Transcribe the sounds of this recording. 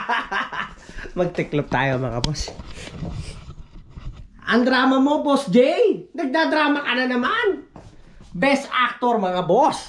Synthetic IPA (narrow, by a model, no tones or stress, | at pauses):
mɐɡ̚t̪ɪklop̚t̪a̰ːjomɐŋa̰bos | ʔɐŋd̪ɾaːmɐmobosd͡ʒɛjnɐɡ̚d̪ad̪ɾaːmɐkɐnanɐman | bɛst̪ʔa̰k̚t̪oɾmɐŋabos